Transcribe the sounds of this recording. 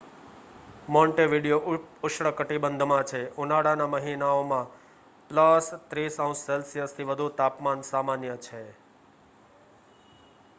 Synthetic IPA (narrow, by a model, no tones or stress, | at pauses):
mɔ̃ɳʈeʋiɽijoʊʃɽəkəʈibənd̪ʱmãt͡ʃʰeunaɽanaməɦinaomã | pləst̪ɾisaũsːelsijəst̪ʰiʋəd̪ʱut̪apmansamanjət͡ʃʰe